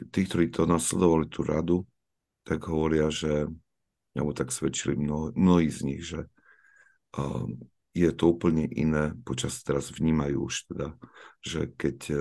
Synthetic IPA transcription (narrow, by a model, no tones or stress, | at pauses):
t̪iːk̚t̪ɔɾiːt̪ʰɔnaslɛd̪ɔʋalit̪uɾa̰d̪u | t̪aɡɦɔʋɔɾɪaʒɛ | a̰bɔt̪aksʋɛt͡ʃilimnɔmnɔɦiːzɲiɣʒɛ | jɛt̪ɔuːpl̩ɲɛʔḭnɛːpɔt͡ʃast̪ɛɾazʋɲiːmajṵːuʃt̪ɛd̪aʒɛkɛc